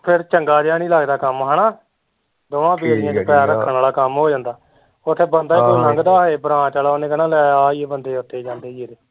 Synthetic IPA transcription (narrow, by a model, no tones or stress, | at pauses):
pʰɪɾt͡ʃəŋɡaːd͡ʒaːɽiːlaːɡd̪aːkəmɦənaː | d̪oːãːbeːɾãːt͡ʃepɛːɾəkʰːənaːlaːkəmɦoːd͡ʒãːnd̪aː | ot̪ʰːeːbənd̪aːiːkːnəŋɡd̪aːeːbɾãːt͡ʃaːlaːonẽːɡənãːlɛaːaːiːebənd̪eːʊt̪ʰːeːd͡ʒãːnd̪eːd͡ʒeːɾeː